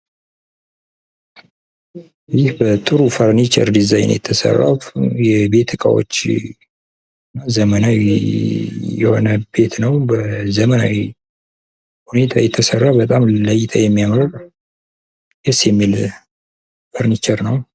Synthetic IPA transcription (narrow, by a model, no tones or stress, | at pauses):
jɪhbət̪ʼɨɾufəɾnit͡ʃə̰ɾd̪izaj̰njɛ̰t̪ʰːəsə̰rːa̰wjɛbe̞t̪ʰːɨkʼa̰wo̞̰t͡ʃː | ɨnːazəmənaw | jɛho̞nəbe̞t̪nəwbəzəməna̰wi | hune̞t̪ʰajɛt̪ʰːəsərːabət̪ʼamləjt̪ʰajɛmːijamɾəɾ | jɛsjɛmːil | fəɾnit͡ʃəɾnəw